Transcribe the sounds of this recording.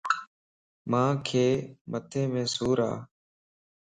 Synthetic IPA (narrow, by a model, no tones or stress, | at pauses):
mãːkʰeːmət̪ʰẽːmẽːsuːɾa̰ː